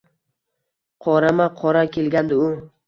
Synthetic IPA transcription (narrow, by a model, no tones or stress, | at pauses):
qʰɒɾamaqʰɒɾakʲʰe̞lɡʲand̪ɪʊ